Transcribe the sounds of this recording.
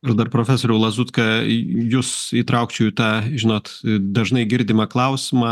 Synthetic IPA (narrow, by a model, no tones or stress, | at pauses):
ɪɾd̪ɐrpɾoːfʲæsoːɾʲɛʊlˠɐzuːt̪kɐjuːsiːt̪ɾɐʊkt͡ʃʲuːt̪ɑːʒʲɪnoːt̪d̪ɐʒnɐɪɡʲɪɾʲd̪ʲɪmɐklˠɐʊsʲɪmɑː